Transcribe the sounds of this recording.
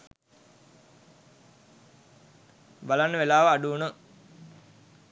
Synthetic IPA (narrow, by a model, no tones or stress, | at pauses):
balanːəʋelaːʋəaɖuːnə